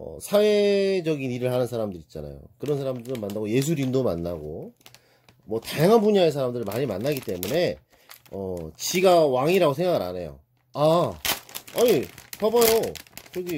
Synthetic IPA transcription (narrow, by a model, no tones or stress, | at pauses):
ʌ̰sʰawed͡ʑʌɡiniɾɯɭhanɯnsʰaɾamdɯɾit̚t͡ɕ͈ana̰jo̰kɯɾʌnsʰaɾamdɯɾɯmanːaɡoje̞s̬ʰuɾindoma̰nːaɡo | mwʌtajaŋɦanbuɲaesʰaɾamdɯɾɯɭmaɲimanːaɡit͈e̞mune̞ | ʌt͡ɕiɡawaŋiɾaɡosʰeŋɡaɡɯɾa̰ne̞jo̰ | a | aɲit͡ɕabʌjokɯɾʌɡi